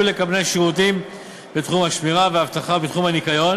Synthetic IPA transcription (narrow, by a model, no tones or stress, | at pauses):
ulekabnejaʃiʁut̪̬im | bet̪χumhaʃmiʁaveavt̪aχabet̪χumhanikajo̞n